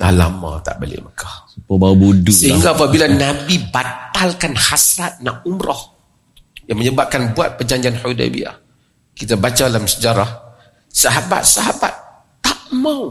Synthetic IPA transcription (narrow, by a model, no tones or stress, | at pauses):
a̰la̰ma̰t̪a̰ʔba̰lɪ̰məkʰahsəpubaubudusəɦiŋɡaːpabilanabibat̪alkanhasɾat̪̚naʔumɾɔh | jaŋməɲəbap̚kanbuat̪̚pərd͡ʒaɲd͡ʒianhoda̰bḭa̰ | kit̪abat͡ʃalamsəd͡ʒaɾah | saɦaba̰t̪̚saɦaba̰t̪ː | aʔmaw